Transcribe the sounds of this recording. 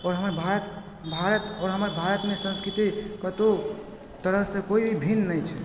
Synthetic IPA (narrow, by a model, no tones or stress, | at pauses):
ɔːɾɦəməɾbʱaɾət̪ | bʱaɾət̪ɔːɾɦəməɾbʱaɾət̪mẽsə̃nskɾit̪ikət̪o | t̪əɾəsẽkoibʱibʱinnəjt͡ʃʰɛ